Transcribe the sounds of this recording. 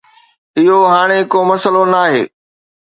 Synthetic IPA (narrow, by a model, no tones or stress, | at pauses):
ɪɦoɦaːɽ̃ekomɐsəlonaːɦeː